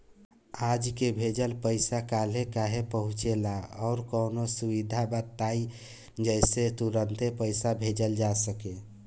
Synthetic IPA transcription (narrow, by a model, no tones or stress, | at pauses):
ad͡ʒkebʱed͡ʒəlpəɪsakalekaɦepəɦũt͡ʃelaɔʊɾkəʊnosuβid̪ʱabət̪ːai | d͡ʒəɪset̪uɾənt̪epəɪsabʱed͡ʒəld͡ʒasəke